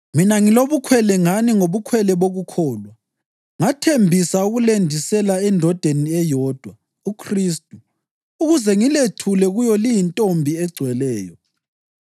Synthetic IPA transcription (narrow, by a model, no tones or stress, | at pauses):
minaŋiloβukʰwɛlɛŋaniŋoβukʰwɛlɛβoɣukʰɔːlwa | ŋatʰembʱisauɣulendʱisɛlaɛndʱɔd̥ʱeniɛjɔːd̥ʱwa | ukʰristʼu | uɣuzɛŋiletʰulɛɣujɔlijintʼombʱiɛɡ͡ǀʱwɛlɛːjɔ